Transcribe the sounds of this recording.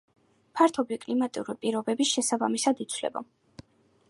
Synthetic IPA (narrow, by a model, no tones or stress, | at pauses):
pʰaɾt̪ʰɔbikʼlimat̪ʼiuɾipʼiɾɔbɛbisʃɛsabamisad̪it̪sʰvlɛ̰ba̰